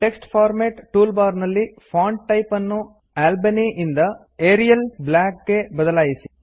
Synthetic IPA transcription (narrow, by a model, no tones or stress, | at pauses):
ʈe̞ksʈpʰaːɾmeːʈʈuːlbaːɾnɐlːi | fʰaːɳɖ̚ʈɐjpɐnːu | aːlbɐniʔind̪ɐ | eːɾijɐlblaːkɡe̞bɐd̪ɐlaːjisi̥